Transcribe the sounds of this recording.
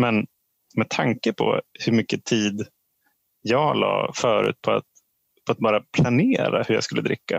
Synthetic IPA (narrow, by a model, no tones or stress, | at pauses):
mɛn | mɛt̪ʰaŋkəpʰɔ̰hɵɾmʏkːət̪ʰiːd̪ | jɑːɡlɑ̰ːfœːɾʉ̟ːt̪̚pʰɔa̰t̪ | pʰɔat̪̚bɑːɾapʰlaneːɾahɵɾjɑ̰skɵlːəd̪ɾɪkːa̰